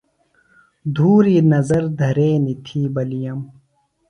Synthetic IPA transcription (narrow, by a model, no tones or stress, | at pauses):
d̪ʱuːɾiːnɐzɐɾd̪ʱɐɾeːnit̪ʰiːbɐlijɐm